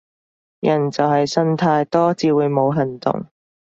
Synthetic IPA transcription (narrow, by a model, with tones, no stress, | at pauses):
jɐ˨˩nt͡sɐ˨wɦɐ˨jsɐ˥nt̪ʰaː˧jt̪ɔː˥t͡siː˧wuː˨˧jmo˨˧wɦɐ˨nt̪ʊ̰˨ŋ